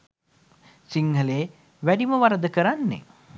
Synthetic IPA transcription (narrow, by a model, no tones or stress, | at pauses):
siŋɦəleː | ʋæɖiməʋaɾəd̪əkəɾanːḛ